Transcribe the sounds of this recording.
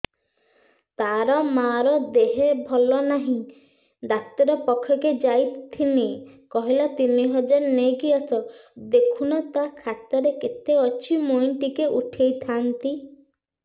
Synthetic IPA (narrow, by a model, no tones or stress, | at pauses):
t̪aɾɔmaɾɔd̪eɦebʱɔlɔnaɦĩ | d̪akt̪ɔɾɔpɔkʰːjɔked͡ʒajt̪t̪ʰːinekɔɦilat̪iniɦɔd͡ʒaɾneɡiɔsɔd̪ekʰunɔt̪akʰat̪ɔɾekit̪eɔt͡ʃʰimojɳʈikeʔuʈʰejt̪ʰant̪i